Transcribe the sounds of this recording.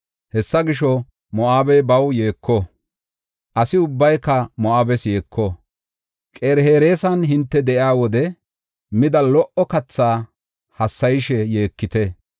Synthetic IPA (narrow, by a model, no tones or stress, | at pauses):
hɛsːɐɡɪʃɔ | mɔʔaːbɛbɐwjeːkːɔ | ʔɐsɪʊbːɐjkːɐmɔʔaːbɛsjeːkʰːɔ | kʼeːɾhe̞ːɾe̞ːsɐnɦɪnt̪ːɛd̪ɛʔjaːwɔd̪ɛ | mɪd̪ɐlɔʔɔkɐt͡sːaː | hɐsːɐjɪʃɛjeːkːɪt̪ɛ